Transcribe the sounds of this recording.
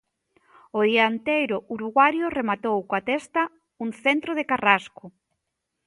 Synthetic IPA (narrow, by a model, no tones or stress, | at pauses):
ʊðiaent̪ejɾʊʔuɾuɣwaɾjʊremat̪owkoat̪ɛst̪ɐ | uŋθent̪ɾoðekaraskʊ